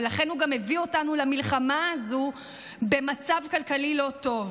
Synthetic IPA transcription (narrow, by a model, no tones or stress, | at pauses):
laχe̞nhuɡame̞vio̞tanulamilχamaːzu | be̞mat͡savkalkalilo̞to̞v